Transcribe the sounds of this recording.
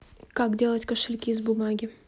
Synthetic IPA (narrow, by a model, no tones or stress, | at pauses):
kakdʲe̞lˠətʲkəʂɪlʲkʲizbʊmaɡʲɪ